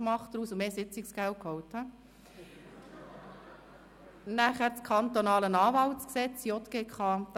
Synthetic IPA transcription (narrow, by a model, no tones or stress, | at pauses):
mɑχtdɾuːsʊmeːsɪt͡sɪksɡ̥ælt̚kʰhɔwthɑ | næχæɾt͡skʰɑnt̪onɑːlənɑːʋɑltt͡sksɛt͡sjɔt̪ɡ̥eːkʰɑ̥ː